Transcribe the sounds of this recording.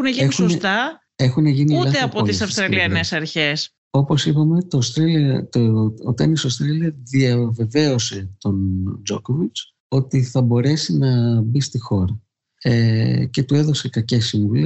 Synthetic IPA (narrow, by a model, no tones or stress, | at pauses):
xuneʝieixuonset̪ɐ | e̞xune̞ʝiniulɐeɐpot̪isɐfst̪ɾɐliɐnesɐɾçes | o̞po̞sipɐme̞t̪ost̪ɾelt̪oot̪enisost̪ɾeliɐðiɐve̞ve̞o̞se̞t̪o̞nd͡ʒo̞ko̞vit͡s | o̞t̪iθɐbo̞ɾe̞sinɐbist̪ixo̞ɾɐ | ece̞t̪ue̞ðo̞se̞kɐcesiɱvule